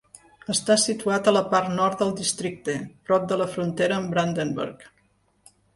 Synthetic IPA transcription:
əst̪asit̪uat̪ələpart̪nɔɾt̪̚d̪əlˠd̪ist̪ɾik̚t̪əpɾɔp̚d̪ələfɾunt̪eɾəːmbɾand̪əmbə̰ɾk

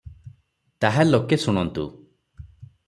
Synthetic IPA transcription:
t̪aɦalokesuɽ̃ɔnt̪ṵ

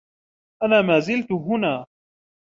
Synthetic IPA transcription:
ʔanaːmaːzɪlt̪ʊɦʊnaː

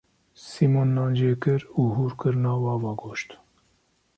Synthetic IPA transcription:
siːmoːnːɑːnd͡ʒeːkɨɾuːɦuːɾkɨɾnɑːwɑːvɑːɡoːʃt̪

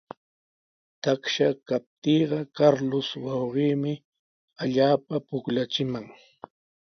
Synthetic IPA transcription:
t̪akʃakap̚t̪iːɢɑkaɾlʊswɑwɢiːmɪ | aʎaːpapʊklat͡ʃɪmaŋ

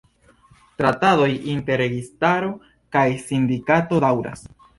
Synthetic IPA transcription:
tɾatado̞jinte̞ɾe̞ɡistaɾo̞ | kajsindikato̞dawɾa̰s

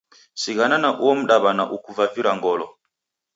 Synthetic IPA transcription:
siɣananaʔuwɔm̩ɗaβanaʔukuvaviɾaŋɡɔlɔ

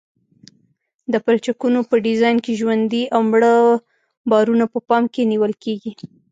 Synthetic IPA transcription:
d̪əpɾat͡ʃakunopəɖizɑjnkeʒwand̪iʔawmɽə | bɑɾunapəpɑmkeniwəlkeɡi

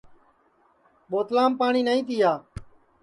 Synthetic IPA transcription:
ɓoːt̪laːmpaːɳiːnəĩːt̪̬ɪjaː

